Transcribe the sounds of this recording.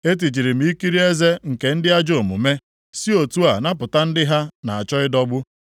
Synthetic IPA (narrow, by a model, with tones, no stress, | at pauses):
e˦t̬i˨t͡ʃi˨ɾi˨m̩˨˦i˦ki˦ɾi˦e˦ze˦ŋ̩˨ke˨n̩˦dɪ˦a˦d͡ʒo˨mṵ˨me˦ | si˦o˨tu˦a˨na˦p̬ʊ˨ta˦n̩˦dɪ˦ɦa˦na˨a˨t͡ʃɔ˦ɪ˦dɔ˦bʊ˦